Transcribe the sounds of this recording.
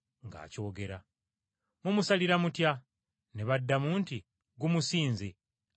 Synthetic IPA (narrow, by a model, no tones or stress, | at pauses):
ŋɡa̰ːco̞ːɡe̞ɾa | mumusaliɾamutja | neβadːamuːnti | ɡumusiːnze